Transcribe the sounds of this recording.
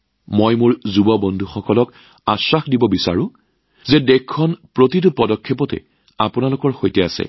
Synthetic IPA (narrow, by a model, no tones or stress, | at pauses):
mojmʊɹzubɔbɔndʱuxɔkɔlɔk | asːaxdibɔbisaɹʊ̃ | zɛdɛkʰːɔnpɹotitʊpɔdɔkʰːepɔtɛ̰ | apʊnalʊkɔɹxojtɛasɛ̰